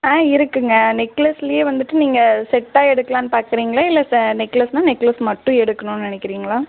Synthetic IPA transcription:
aːɪɾɯkːɯŋɡɐnɪkːɐlɐsɪlɐjeːʋɐnd̪ɯʈːɯniːŋɡɐsɛʈːaːɛɽɯkːɐlãːnːɯpaːɾkɪɾiːŋɡɐɭɐɪlːɐsnɪkːɐlɐsnaːnɪkːɐlɐsmɐʈːʊ̃ɛɽɯkːɐnʊ̃nnɪnɛkːɪɾiːŋɡɐɭaː

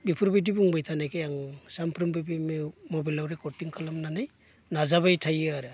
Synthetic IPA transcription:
bipʰuɾbajdibuŋbajtʰanajkʰejaŋsampʰɾɯmbɯbimemobilawɾekɔtiŋkʰalamnanaj | nazabajtʰajɯaɾɯ

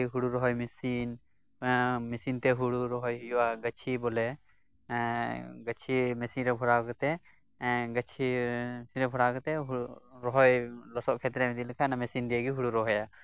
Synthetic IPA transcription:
ɦuɽuɾɔɦɔjmisin | misint̪ɛɦuɽuɾɔɦɔjjɔwaɡət͡ʃʰibɔlɛ | ɡət͡ʃʰimɛsinɾɛbʱɔɾakɔt̪ɛ | ɡət͡ʃʰisinɾɛbʱɔɽakɔt̪ɛɦɾɔɦɔjlɔsɔʔkʰɛt̪ɾɛmɛd̪ilɛkʰanamɛsind̪iɛɡiɦuɽuɾɔɦɔja

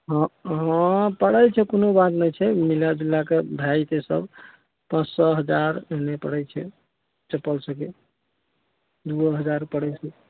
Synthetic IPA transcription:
ɦɔ̃ɦɔ̃pəɽəjt͡ʃʰɛkonobat̪nəjt͡ʃʰɛmilad͡ʒilːakebʱjajt̪esə̰b | pãt͡ʃsɔɦəd͡ʒaɾenepəɽɛjt͡ʃʰɛ̰ | t͡ʃəpːəlsəke | d̪uəɦəd͡ʒaɾpəɽɛt͡ʃʰɛ

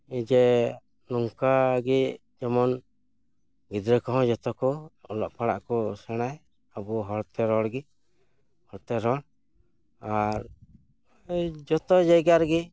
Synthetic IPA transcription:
id͡ʒɛ | nɔŋkaɡi | d͡ʒɛmɔn | ɡid̪ɾəkɔɦɔ̃d͡ʒɔt̪ɔkɔɔlɔʔpaɽa̰ʔkɔsɛɽ̃aj | abuɦɔɽt̪ɛɾɔɽɡi | hɔɽt̪ɛɾɔɽ | aɾ | d͡ʒɔt̪ɔd͡ʒajɡaɾɡi

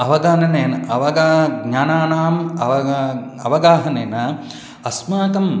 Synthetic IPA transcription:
ɐʋɐɡaːnɐneːnɐɐʋɐɡaːɡɲaːnaːnaːmɐʋɐɐ̰ʋɐɡaːɦɐneːnɐ | ɐsmaːkɐm

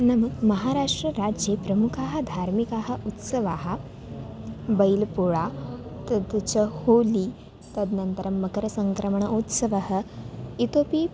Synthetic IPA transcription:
nɐmɐmɐɦaːɾaːʂʈɾɐɾaːd͡ʒjepɾɐmukʰaːɦɐ̆d̪ʱaːɾmikaːɦɐ̆ʔut̪sɐʋaːɦɐ̆ | bɐjlpuɭaːt̪ɐd̪t͡ʃɐhoːliː | t̪ɐd̪nɐnt̪ɐɾɐmːɐkɐɾɐsɐŋkɾɐmɐɳɐʔut̪sɐʋɐɦɐ̆it̪oːpi

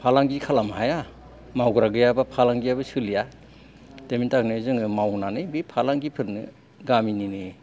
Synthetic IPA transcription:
pʰalaŋɡikʰalamhaja | mawɡɾaɡɯjabapʰalaŋɡijabɯsɯlija | temintak̚nɯzɯŋɯmawnanɯjbipʰalaŋɡipʰɯɾnɯ̰ | ɡamininɯ

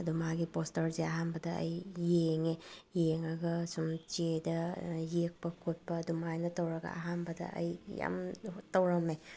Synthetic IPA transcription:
ɐdumaɡipostɐɾzeɐɦanbɐdɐɐ̰jːeŋejeŋɐɡɐsumt͡ʃedɐjek̚pɐkʰot̚pɐːdumajnɐtɐwɾɐɡɐ̰ɐ̰ɦanbɐdɐ̰ʔɐ̰jja̰mtɐwɾɐme

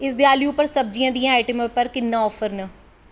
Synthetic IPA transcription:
ɪsd̪jaːliʊpːəɾsəb̚d͡ʒijãːd̪iãːaːiʈəmpəɾkɪnːãːɔːfʰəɾnə

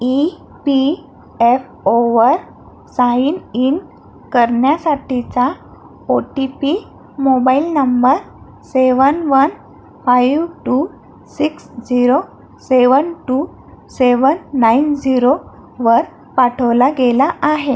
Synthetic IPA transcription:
i | pi | ef | oʋəɾ | sainin | kəɾɳjasaʈʰit͡sa | oʈipi | mobailnəmbəɾ | seʋənʋən | fajʋʈu | siksd͡ziɾo | seʋənʈu | seʋənːaind͡ziɾo | ʋəɾ | paʈʰəʋlaɡelaʔaɦe

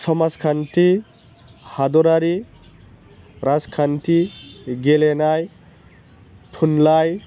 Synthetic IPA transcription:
sɔmaskʰantʰi | had̪ɔɾaɾi | ɾaskʰantʰiɡelenaj | tʰunlaj

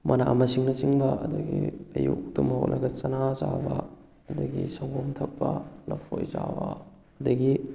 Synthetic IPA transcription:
mʔɐnaʔmɐsiŋnɐt͡ʃiŋbɐɐdɐɡiɐjuk̚tumɐho̰ʔ̚lʔɐɡɐt͡ʃɐnazabɐ | ɐdɐɡisɐwbomtʰɐk̚pɐlɐpʰojzabɐː | dɐɡi

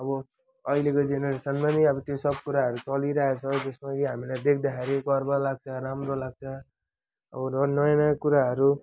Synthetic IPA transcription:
ʌbʌ | ʌilekod͡zeneɾesʌnmaniʌbʌt̪josʌb̚kuɾaɦʌɾut͡sʌliɾaɦet͡sʰʌd͡zʌsmaɡiɦamilajd̪ekʰd̪akʰeɾiɡʌrbʌlaɡ̚t͡sʰʌɾamrolaɡ̚t͡sʰʌ | ʌ̰bʌnʌnʌjanʌjakuɾaɦʌɾu

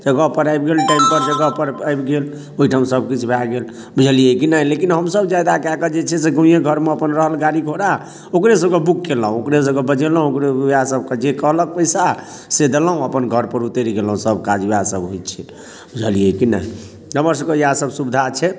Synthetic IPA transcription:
d͡ʒəɡəɦpəɾajbɡelʈaimpəɾd͡ʒəɡəɦpəɾajbɡel | oɦiʈʰamsəb̚kit͡ʃʰbʱaɡel | bud͡ʒʱəliekinəɦlekinɦəmsəbd͡ʒad̪akakəd͡ʒet͡ʃʰɛseɡũjeɡʱəɾmeəpənɾəɦəlɡaɾikʰoɽa | okɾes̬əb̚kebukːeləɦũokɾes̬əbkebəd͡ʒeləɦũokɾeasəb̚ked͡ʒekəɦlək̚pəisa | sed̪eləɦũəpənɡʱəɾpəɾut̪eɾiɡeləũsəbkad͡ʒasəbɦojt̪t͡ʃʰɛ | bud͡ʒʱəliekinə̰ɦi | əməɾs̬əbkejasəbsubd̪ʱat͡ʃʰɛ

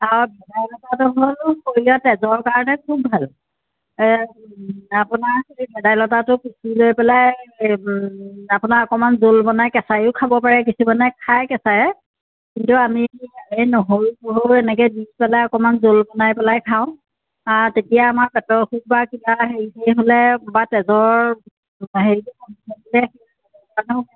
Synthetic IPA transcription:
awbɛdajlɔtatʊɦolkoɹiɔtɛzɔɹkaɹɔnɛkʰubːʱal | apʊnaɹkoibɛdajlɔtatʊkisulojpɛlaj | apʊnaɹɔkɔmanzolbɔnajkɛsajʊʊkʰabɔpaɹɛk̬isumanakʰajkɛsajɛ | kintuamiaenoɦoɹkoɦoɹɛnɛk̬ɛdispɛlajɔkɔmanzolbɔnajpɛlajkʰaʊ̃ | atetijaːmaɹpɛtɔsuk̚bakibaɦeɹisejɦolɛbatɛzɔɹ | ɦeɹitʊkɔnisɔnbilɛxe | ɔɔanɔʊ

